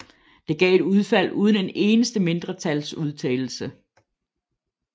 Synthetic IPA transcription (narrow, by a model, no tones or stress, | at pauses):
d̥e̝ɡ̥ɛ̰ːe̝duð̞ˠfæl̰uːð̞ˠənene̝ːnəsd̥əme̝nd̥ʁɐt͡sʰælsuð̞ˠt͡sʰɛ̰ːl̩sə